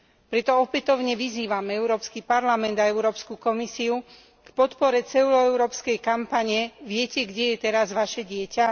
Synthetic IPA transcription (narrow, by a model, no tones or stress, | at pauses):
pɾɛt̪ɔɔpɛt̪ɔʊɲɛʋiziːʋamɛɛʊɾɔːpskipaɾlamɛnd̪aɛʊɾɔːpskukɔmisiu | kpɔt̪pɔɾɛt͡sɛlɔɛʊɾɔːpskɛjkampaɲɛʋɪɛcɛɡɟɛjɛt̪ɛɾazʋaʃɛɟɪɛca